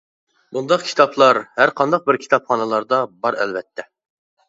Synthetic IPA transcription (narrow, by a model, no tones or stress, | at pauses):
bund̪ɑqkʲʰi̥t̪ʰɑpʰlˠɑɾhæɾqʰɑnd̪ɑq̚bɪɾkʲʰi̥t̪ʰɑpχɑnɨlˠɑɾd̪ɑbɑɾɛ̰lvɛt̪ʰːɛ